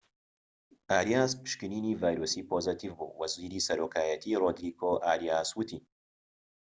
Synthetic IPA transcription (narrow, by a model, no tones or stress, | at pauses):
ʔaːɾijaːspɨ̥ʃkɨniːniːvaːjɾoːsiːpʰoːzɨt̪ʰivbṵwɐziːɾisɐɾoːkʰaːjɐt̪ʰiroːd̪ɾiːɡoʔaːɾijaːswɨt̪ʰi